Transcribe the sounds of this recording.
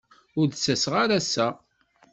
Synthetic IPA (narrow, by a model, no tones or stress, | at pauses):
ʊɾðsːæsʁaɾæsːæ